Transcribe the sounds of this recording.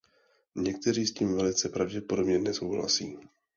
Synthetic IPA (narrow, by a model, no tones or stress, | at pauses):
ɲɛk̚t̪ɛɾiːsciːmvɛlɪt͡sɛpɾavɟɛpo̞do̞bɲɛnɛso̞wɦla̰sḭː